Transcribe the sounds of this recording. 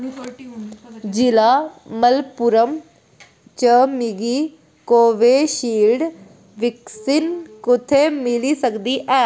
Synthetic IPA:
d͡ʒɪlaːməlpʊɾəm | t͡ʃəmɪɡiː | koːʋeːʃiːlɖ | ʋɪksɪnkʊt̪ʰeːmɪliːsəkd̪iːʔɛː

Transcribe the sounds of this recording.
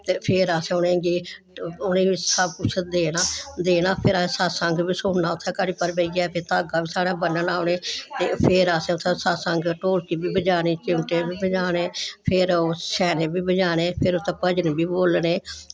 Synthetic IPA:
t̪eːpʰɪɾaːsẽʊnẽːɡiː | ʊnẽːʋiːsəb̚kʊt͡ʃʰːed̪eːnaːd̪eːnaːpʰɪɾaːsesaːsəŋɡbiːsʊɳnaːʊt̪ʰːẽːkəɽiːpəɾbəiːɡɛːpet̪aːɡaːbiːsaːɽaːbənənaːʊneːt̪eːpʰɪɾaːsẽʊt̪ʰːẽːsaːsəŋɡʈoːlkiːbiːbəd͡ʒaːniːt͡ʃɪmʈeːbiːbəd͡ʒaːnẽːpʰɪɾʃɛːnẽːbiːbəd͡ʒaːneːpʰɪɾʊt̪ʰːẽːpəd͡ʒniːbiːboːlneː

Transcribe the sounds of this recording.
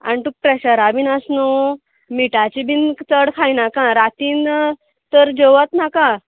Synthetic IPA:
a̰nit̪uk̚pɾɛɕəɾabʱiːnəsnu | miʈat͡ɕibʱiːnt͡səɽkʰajnakãɾat̪in | t̪əɾd͡ʑəʋət̪nakã

